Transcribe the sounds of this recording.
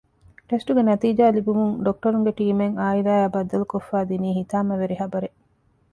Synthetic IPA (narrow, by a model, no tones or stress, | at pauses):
ʈesʈuɡenɐt̪iːd͡ʒaːlibumuŋɖok̚ʈɐɾuŋɡeʈiːmeŋaːiɾaːjaːbɐd̪ɐlukofːaːd̪iniːɦit̪aːmɐʋeɾiɦɐbɐɾe